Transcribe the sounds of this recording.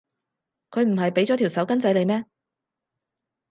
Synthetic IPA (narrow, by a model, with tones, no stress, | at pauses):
kʰɵ˨˧ɥm̩˨˩ɦɐ˨jpe˨˥jt͡sɔː˨t̪ʰiː˨˩wsɐ˨˥wkɐ˥nt͡sɐ˨˥jle˨˧jmɛː˥